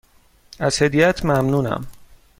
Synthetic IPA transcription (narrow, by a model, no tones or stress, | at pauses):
æz̥hed̪ijæt̪ʰmæmnuːnæ̰m